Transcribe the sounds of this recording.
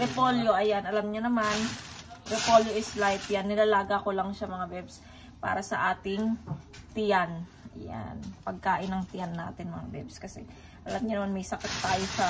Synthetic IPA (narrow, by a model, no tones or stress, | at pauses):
ɾɛpoljoʔɐjanʔɐlamɲonɐmanɾɛpoljoʔɪslajt̪janːɪnɐlaːɡakolɐŋʃɐmɐŋabɛbs | pa̰ːɾɐsɐ̰ʔaːt̪ɪŋ | t̪ɪjan | ɐ̰ja̰npɐɡ̚kaːʔɪnɐŋt̪ɪjanːa̰ːt̪ɪnmɐŋa̰bɛ̰bskɐsɛ̰ | ʔɐlamɲʊnɐmanmɐjsɐkɪt̪ːaːjosɐ